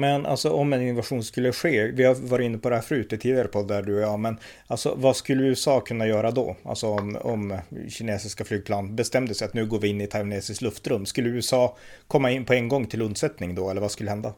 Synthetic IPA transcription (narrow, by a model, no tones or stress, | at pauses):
mɛnʔa̰lsɔʔɔmːɛnɪnːɔvaɧuːnskɵlːəɧeːvɪhaɾvɑːɾɪt̪ɪnːəpʰɔd̪ɛhæːɾfɾʉːʉːt̪ːət̪ʰiːd̪ɪɡaɾəpʰɔd̪æɖɵɔjɑːmɛn | ʔalsɔ̰vaskɵlːəʉ̟ːɛsɑːkʰɵnːajœːɾad̪ɔ̰a̰lsɔɔmɔmɕɪneːsɪskaflyːɡ̚pʰlɑːnbɛst̪ɛmd̪əsɛɪjat̪nʉ̟ːɡoːɾvɪɪnːɪt̪ʰavneːsɪsklɵft̪ɾɵmːskɵlːəʉːɛsɑːkʰɔmːaɪnːpʰɔɛŋɡɔŋːt̪ʰɪlɵnd̪sɛt̪nɪŋd̪ɔɛlːəɾvaskɵləhɛnd̪a